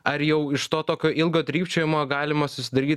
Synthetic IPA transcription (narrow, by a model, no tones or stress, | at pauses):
ɐɾjɛʊɪʃt̪oːt̪oːkʲoːʔɪlˠɡoːd̪ʲɾʲiːpt͡ʃʲoːjɪmoːɡɑːlʲɪmɐsʊsʲɪd̪ɐɾʲiːt̪